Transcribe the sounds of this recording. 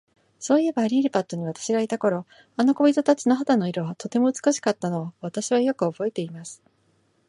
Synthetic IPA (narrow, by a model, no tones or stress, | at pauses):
so̞ːije̞baːɾʲiːɾɯpat̪ːo̞ɲ̟iβat̪ḁɕiɡait̪ako̞ɾo̞ | ano̞ko̞bʲit̪o̞t̪at͡ɕino̞ɦat̪ano̞iɾo̞βat̪o̞t̪e̞mo̞ɯ̟t͡sɨ̥kɯɕi̥kat̪ːano̞ːβat̪aɕiβajo̞kɯ̟o̞bo̞e̞t̪e̞imasɨ̥